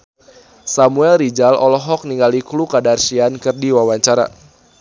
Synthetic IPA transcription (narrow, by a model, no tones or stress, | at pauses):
samuɛlɾid͡ʒalɔ̰lɔɦɔk̚niŋɡaliklukadarʃiankɨrdiwawaɲt͡ʃaɾa̰